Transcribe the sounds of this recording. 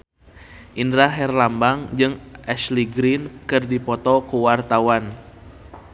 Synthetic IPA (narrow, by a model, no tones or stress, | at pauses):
ʔindɾaɦɛrlambaŋd͡ʒɨŋʔɛsliɡɾinkɨrdipɔt̪ɔkuwart̪awan